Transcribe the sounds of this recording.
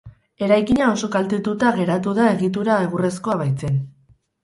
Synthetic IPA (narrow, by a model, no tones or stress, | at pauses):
e̞ɾajkiɲao̞so̞kalt̪et̪ut̪aɣe̞ɾat̪uðae̞ɣit̪̬uɾae̞ɣ̞ure̞sko̞aβajt͡se̞n